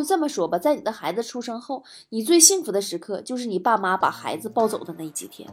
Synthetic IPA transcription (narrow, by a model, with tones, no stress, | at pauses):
o˥˧ʊt͡sɤ˥˩mə˩ʂwɔ˥bɐ˨t͡sa˥˩ɪni˨˩d̪ə˦xa˧˥ɪd͡zɹ̩˧ʈ͡ʂʰu˥ʂɤ˥ŋxo˥˩ʊ | ni˨˩t͡swe˥˧ɪɕi˥˩ŋfu˧˥d̪ə˧ʂɻ̩˧˥kʰɤ˥˧t͡ɕjo˥˧ʊʂɻ̩˥˩ni˨˩pa˥˩ma˧˥pa̰˨˩xa˧˥ɪd͡zɹ̩˧pɑ˥˧ʊt͡so˨˩ʊd̪ə˦na˥˩i˥˩t͡ɕi˨˩t̪ʰjɛ̰˥n